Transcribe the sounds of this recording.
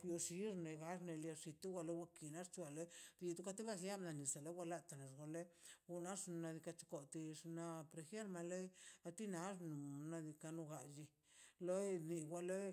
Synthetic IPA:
jo˧ʃi˦ɾne˨ɡa˦ʐne˧lja˧ʂi˧t̪u˦ɡa˧le˦wa˧ki˨na˦ɾt͡ʃu˧a˨le˦d̪i˧d̪u˦ka˦t̪i˦ba˦sja˦bna˧ni˨sa˨le˦wʷa˧la˦t̪a˨ne˨ʐɡo˧le˦ɡu˧na˦ʂna˧d̪i˧ka˧t͡ʃu̥˧ko˨t̪i˧ʂna˧pɾe˧xe˦ɾma˧le˦a˧t̪i˦na˧˦ʐnu˨na˧d̪i˧ka˧nu˧ɡa˧d͡ʒi˧ | lo˦ni˧ɡʷa˧le˦

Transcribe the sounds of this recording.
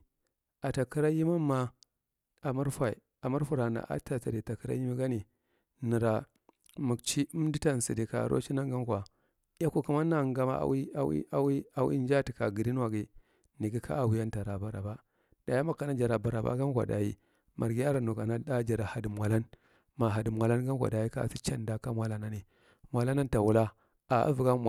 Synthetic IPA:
a˨ta˨ki˦ɾa˦ji˦ma˦mːa˦ | a˨ma˦ɾfʷa˨i˨ | a˨ma˦ɾfu˨ɾa˨na̰˨ʔa̰˦ta˨ta˨di˨ta˨kə˦ɾa̰˦ji˦mi˦ɡa˦ni˨ | ni˨ɾa˨ | mu˨kt͡ʃi˦u˦di˦ta˦n˨si˨di˨ka̰˨ɾʔo̰˦t͡ʃi˦na˦ŋɡa˦m˦kʷa˨ | ja˦ku˦ku˦ma˦na˦˨ŋɡa˦ma̰˦˨˦wi˦a˦wḭ˦a˦wi˦a˨wḭ˦n˦d͡ʒa˦ti˨ka˨ɡi˨di˦n˦wa˨ɡi˨ | ni˨ɡi˦ka̰˦a˨wi˨ja˦n˦ta˨ɾa˨ba˨ɾa̰˨ba˦ | d̥a˨ja˦ma˦kːa˨na˦d͡ʒa˨ɾa˨ba˨ɾa˨ba̰˦ɡa˦m˦kʷa̰˨da̰˨jḭ˦ | mʔa˨ɾɡi˦a˦ɾa˨nu˨ka˨na˦da˦d͡ʒa˨ɾa˨ha˨di˨mʷ˨a˨la˦n | ma˨ɦa˨di˨mʷ˨a˨la˦n˦ɡa˦mʷ˦a̰˨da˨ji˦ka̰˦˨si˦t͡ʃa˦nda˦ka˦mwa˨la˦na˦ni˨ | mwa˨la˦na˦nta˨wu˦la˦ | a˨a̰˦vu˨ɡa˦m˨

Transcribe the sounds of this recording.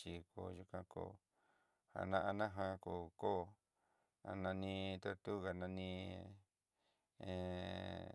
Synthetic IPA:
i˧ko˨ju˧kã˧ko̰˧˨ | ha̰˨nã˧ʔa˧nã˦ɦã˧koː˨ko˦˨ | a̰˧nã˧nĩ˧t̪o˧t̪u˦ɣa˧nã˧nĩ˧ | ẽ˨

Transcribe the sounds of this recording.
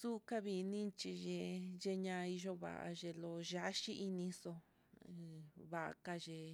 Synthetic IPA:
su˦ka˦βi˧nĩ˦t͡ʃi˧ʒẽ˧ʒe˧ɲã˧i˧ʒo˧βa̰˨ʔa̰˧ʒe˧lo˧ʒa˧˦ʃi˦ʔi˧nĩ˧so˧ | βa˧˨ʔa̰˧ka˧ʒe˧

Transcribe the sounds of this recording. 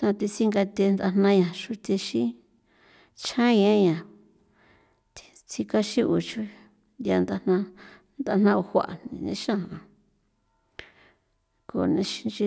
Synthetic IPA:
t̪ã˧t̪i˧si˦ŋɡa˧t̪e˧nd̪a˧n̥nã˧ɲã˨ʃu˧t̪e˧ʃĩ˦ | t͡ʃʰã˦ɲẽ˦ɲã˨ | t̪i̥˧ | t͡si˧ka˦ʃĩ˦ʔu˨t͡ʃu˦ | ja˧nd̪a˧nã˧ | nd̪a˧n̥ã˦˧o˧hʷa̰˨ʔnnḭ̃˧˨nḛ̃˧˦ʃã˦hã˧ | ko˨nẽ˧ʃi˧nt͡ʃi˧

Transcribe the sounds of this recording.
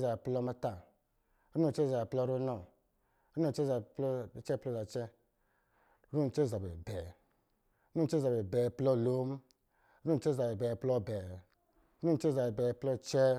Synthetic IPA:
za˨be˨plɔ˦ma˧ta˨ | ɾu˦ɔ˦˨t͡ʃɛ˦za˨be˨plɔ˦ɾo˦nɔ˨ | ɾu˦ɔ˦˨t͡ʃɛ˦˨za˨plɔ˦˨t͡ʃɛ˦plɔ˦za˨t͡ʃɛ˦ | ɾu˦n˨t͡ʃɛ˦˨za˨bḛ˨bɛ˨˦ | u˦n˨˦t͡ʃɛ˦za˨be˨bɛ˨plɔ˦˨lo˦m˦ | ɾu˦˨t͡ʃɛ˦za˨be˨bɛ˨plɔ˦˨bɛ˨˦ | u˦n˨t͡ʃɛ˦˨za˨be˨bɛ˨˦plɔ˦t͡ʃɛ˦

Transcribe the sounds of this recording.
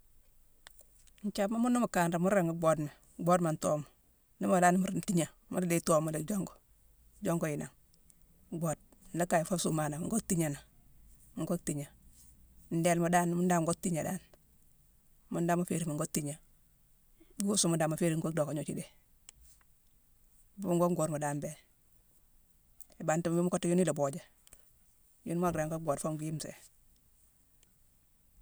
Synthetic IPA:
ɲ˨t͡ʃa˦ma˦mu˦nːo˦mu˨ka˨nɾa˨mu˦ɾe˨ŋu˦ɡ͡bo˦dme˨ | ɡ͡bo˦dma˨ntoː˦mo˨ | ni˦ma˨la˦n˦mu˦ɾn˨ti˦ɲa˨ | mu˦ɾle˦to˦mo˨le˨˦d͡ʒo˦ŋɡo˨ | d͡ʒo˦ŋɡo˨i˨na˨ŋ | ɡ͡bo˨d̩̚˨ | a˦ka˨jfa˦su˦ma˨na˨ŋɡo˦k̚ti˦ɲa˨na˨ | ŋ˦ɡo˦k̚ti˨ɲa˨ | n̩˨de˨lma˨da˦n˦mu˦nda˦ŋ˦ɡo˦k̚ti˦ɲa˨da̰˦n | mu˦nda˦ma˨fe˨ɾi˨mu˨ŋɡo˦tːi˦ɲa˨˦ | o˦su˦mu˨daː˨ma˨fe˦ɾi˨ŋ˦ɡo˦k̚do˨ko˨ɲo˨t͡ʃi˦de˨ | bu˦ŋɡo˦ŋɡo˨ɾmo˨daː˦mbe˨ | e˨ba˨nti˦m˦bi˦mu˦ko˦tju˦ni˦lo˨bo˨d͡ʒa˨ | jṵ˦nma˦ɡɾa˨ŋko˦ɡo˨tfo˦mɡu˦ji˦msḛ˨

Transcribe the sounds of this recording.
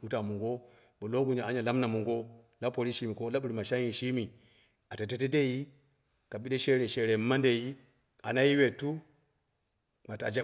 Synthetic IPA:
u˦ta˨mu˨ŋɡo˦ | bo˨lo˦ɡu˦ɲa˨a˨˦ɲa˨la˦mna˨mu˨ŋɡo˦ | la˦po˨ɾi˦ʃi˦mi˨ko˦la˦ɓu˦ɾi˨ma˨ʃa˦i˨ʃi˦mi˨ | a˨te˨te˦te˦de˦ji˦ | ka˨bi˦de˦ʃe˦ɾe˨ʃe˨ɾe˨˦ma˦nde˨ji˦ | a˨na˦ji˦we˨tu˦ | ma˨ta̰˨d͡ʒe˦

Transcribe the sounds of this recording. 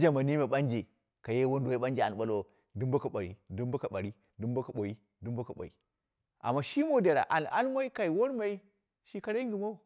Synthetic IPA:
d͡ʒa˦ma˨ni˦me˨ɓa˦nd͡ʒe˨ | ka˨je˦wo˦n˦do˨je˦ɓa˦nd͡ʒe˨a˨n˨ɓa˦lo˦ | du˦mbo˦ka˨ɓa˨ɾḭ˦du˦mba˦ka˨ɓa˨ɾi˦ | du˦mbo˦ka˨ɓo˨ji˦ | du˦mbo˦ka˨ɓo̰˨jḭ˨ | ʔa̰˨mːa˦ʃi˦mo˦de˨ɾa̰˨ʔa˨n˨a̰˦nma˦i˦ka˨i˨wo˦ɾma˨i˦ | ʃi˦ka˨ɾa˦i˦ŋɡi˨mo˦˨

